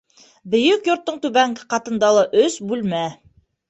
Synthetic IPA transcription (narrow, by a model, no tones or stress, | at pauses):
bɵ̆jɵkjŏɾt̪ːɤɴt̪ʉβæŋɡɘqɑt̪ɤ̆nd̪ɑlˠɑʔɵsbʉlmæ